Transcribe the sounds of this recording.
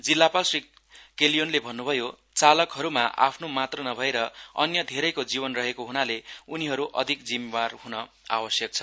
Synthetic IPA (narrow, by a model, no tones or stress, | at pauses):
d͡zilːapalsrik | kelijonlebʱʌnːubʱʌjo | t͡salʌkɦʌɾumaʔa̰pʰnomat̪rʌnʌbʱʌeɾʌʌ̰njʌd̪ʱeɾʌjkod͡ziβʌnrʌɦekoɦunaleuniɦʌɾuʔʌd̪ʱikd͡zimebarɦunʌ | a̰wʌsjʌk̚t͡sʰʌ̥